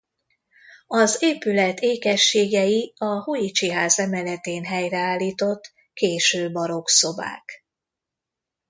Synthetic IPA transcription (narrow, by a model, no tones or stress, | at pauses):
ɒzeːpylɛt̪ʰeːkɛʃːeːɡɛjiɒhojit͡ʃiɦaːzɛmɛlɛt̪eːnɦɛjrɛaːlːiːt̪o̞t̪ː | keːʃøːbɒɾo̞kso̞ba̰ːk